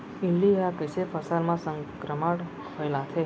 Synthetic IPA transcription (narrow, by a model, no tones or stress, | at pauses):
ilːiakəsefəsalmãsəŋkɾəmaɽ | kʰəlãt̪ʰe